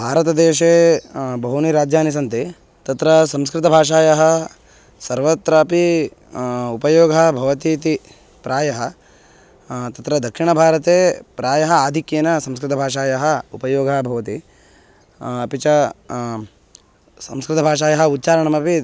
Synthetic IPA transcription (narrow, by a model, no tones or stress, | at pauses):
bʱaːɾɐt̪ɐd̪eːʃeːbɐɦuniɾaːd͡ʒʱjaːnis̬ɐnt̪e | t̪ɐt̪ɾɐsɐ̃mskɾɪt̪ɐbʱaːʂ̬aːjɐɦɐ | sɐɾʋɐt̪ɾɐpi | upɐjoːɡʱɐbʱɐʋɐt̪it̪i | pɾaːjɐɦɐ | t̪ɐt̪ɾɐd̪ʱɐkʂiɳɐbʱaːɾɐt̪eːpɾaːjɐɦɐaːd̪ʱikjenɐsɐ̃mskɾɪt̪ɐbʱaːʂaːjɐɦɐupɐjoːɡʱɐbʱɐʋɐt̪i | pit͡ʃɐ | sɐ̰̃mskɾɪt̪ɐbʱaːʂaːjɐɦɐut̪̚ːt͡ʃaːɾɐɳɐmɐpi